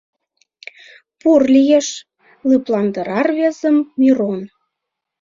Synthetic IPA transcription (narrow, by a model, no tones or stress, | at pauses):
purlʲijeʃ | lɯplɑnd̪əɾɑrβezəmːyɾon